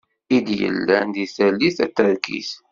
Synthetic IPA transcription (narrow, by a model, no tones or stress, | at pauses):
id̪jə̰lːænd̪iθælːiθæt̪ːəɾkḭθ